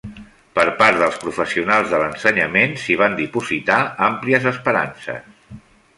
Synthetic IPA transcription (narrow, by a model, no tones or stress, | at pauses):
pəɾpaɾðəlˠspɾufəsiunalˠzðələnsəɲəmensiβ̞and̪ipuzit̪aampliəzəspəɾa̰nsə̰s